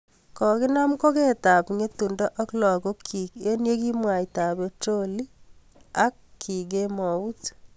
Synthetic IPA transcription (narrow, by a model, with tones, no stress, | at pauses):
kɔ˨kɪ˦na˦mko˦ke˦ta˨pŋe˦tu˨ndɔ˦ʔɔ˦klɔ˨ko˦kʰːi˨ke˦nje˦ki˦mwa˨i˨ta˨be˨to˦li˦ | a˦kʰːi˨ɡe˦mɔ˨u˦t